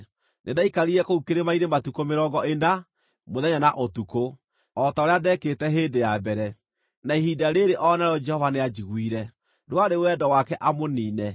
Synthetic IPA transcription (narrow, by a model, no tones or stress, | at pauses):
nʔedaikaɾiɛkoukeɾemaiɾematukomeɾɔːɡɔena | moðɛɲanaʔotuko | ɔtaoɾeadɛketɛɦeːdejabɛɾɛ | naiɦidaɾeɾeʔɔnɛɾɔd͡ʒɛhɔvanead͡ʒiɣwiɾɛ | dwaɾewɛdɔwakɛʔamoniːnɛ